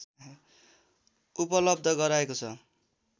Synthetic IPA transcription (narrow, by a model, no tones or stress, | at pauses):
upʌlʌb̚d̪ʱʌɡʌɾaekot͡sʰʌ